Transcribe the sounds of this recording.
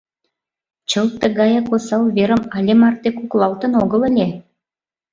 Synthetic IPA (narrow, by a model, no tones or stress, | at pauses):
t͡ɕəlt̪əɣɑjɑkosɑlβeɾə̆mɑlʲemɑrt̪ekuklˠɑlt̪ə̆noɣə̆lə̆lʲe